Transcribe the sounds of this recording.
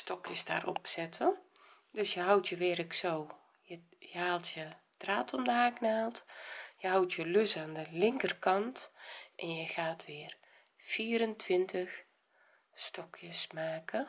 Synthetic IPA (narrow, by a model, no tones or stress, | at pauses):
stɔkjəsda̰ːrʔɔ̰psɛtʰə | døsjəɦawtʰjəʋɪəɾəksoː | jə | jəhaːlˠtʰjə | traːtʰɔmdəhaːknaːlˠtjəhawtʰjəløsaːndəlɪŋkərkɑntʔɛnjəxaːtʰʋɪər | fiːəɾəntʰʋɪntəx | stɔkʰjəsmaːkə